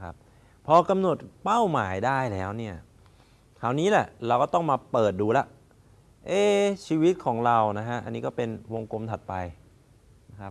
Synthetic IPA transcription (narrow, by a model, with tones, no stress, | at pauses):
kʰa̰˦˥p̚ | pʰːɔː˧ka˧mno˨˩t̪̚pa˥˩wmaː˩˦jdaː˥˩jlɛː˦˥wni˥˩ɐ | kʰaː˩wniː˦˥lɛ˨˩ɾa˧wkɔː˥˩t̪ɔ˥˩ŋmaː˧pɤː˨˩t̪̚duː˧la˦˥ʔ | ʔeː˥˩t͡ɕʰiː˧wi˦˥t̪̚kʰɔː˩˦ŋɾa˧wna˦˥kʰa˦˥ʔa̰˧nːiː˦˥kɔː˥˩pe˧nwo˧ŋko˧mt̪ʰa˨˩t̪̚pa˧j | na˦˥kʰa˦˥p̚